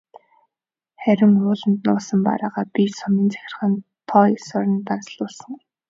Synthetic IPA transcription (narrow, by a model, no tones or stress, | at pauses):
χæɾʲɪ̆ŋʊːɮə̆nt̪nʊːsə̆mpa̰ɾaːʁaːpisɔmə̆nt͡sæ̥xʲɪ̆rχə̆n | t̪ʰɔisɔɾʲɪ̆nt̪ant͡sɮʊːsə̆ŋ